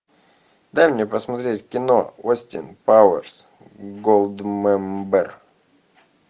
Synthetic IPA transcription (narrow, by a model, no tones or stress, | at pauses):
d̪ajmnʲepəsmɐt̪ɾʲetʲkʲɪno̞osʲtʲɪ̰npawərs | ɡolˠd̪mɛmbɛr